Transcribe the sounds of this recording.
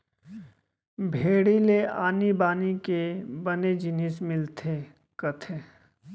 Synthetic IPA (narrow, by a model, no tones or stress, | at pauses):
bʱeːɽileaːnibaːnikebɐned͡ʒɪnɪsmɪlt̪ʰe | kɐt̪ʰeː